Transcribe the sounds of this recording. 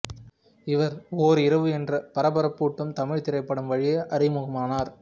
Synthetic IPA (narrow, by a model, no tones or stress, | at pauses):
ɪʋɐɾoːɾɪɾɐʋɯɛndrɐpɐɾɐbɐɾɐpːuːʈːɯmt̪ɐmɪɻt̪ɪɾɐɪpːɐɽɯmʋɐɻɪjɐʔɐɾɪmʊɣɐmaːnaːɾ